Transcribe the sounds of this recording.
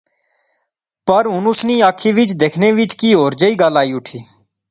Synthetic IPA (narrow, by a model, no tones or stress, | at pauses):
pəɾɦʊnʊsniːaːkʰːiːʋɪt͡ʃd̪eːkʰnẽːʋɪt͡ʃkiːɦoːɾd͡ʒəiːɡaːlaːiːʊʈʰiː